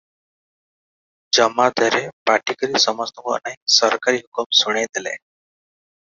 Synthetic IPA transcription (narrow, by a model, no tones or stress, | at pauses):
d͡ʒɔmad̪ʱəɾepaʈikəɾisɔmɔst̪ɔkɔ̰ʔnaɦĩsɔɾkaɾiɦukumsuɽ̃ed̪elḛ